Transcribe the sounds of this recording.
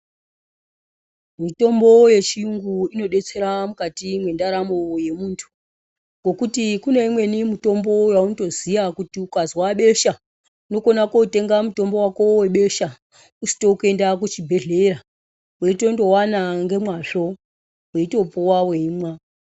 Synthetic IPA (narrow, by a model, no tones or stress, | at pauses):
mito̞mbo̞je̞t͡ʃiuŋɡuino̞ɗe̞t͡se̞ɾamukatimwe̞ndaɾamo̞je̞muːntʰu̥ | ŋɡo̞kutikune̞imwe̞nimuto̞mbo̞jaunto̞ziʋakutiukazwaɓe̞ʃa | uno̞ko̞nako̞ute̞ŋɡamuto̞mbo̞wakowe̞ɓe̞ʃa | usi̥to̞ke̞ndak̬ut͡ʃibʱe̞ɮe̞ɾa | we̞ito̞ndo̞wanaŋɡe̞mwaɬo̞ | weito̞puwaweiːmwa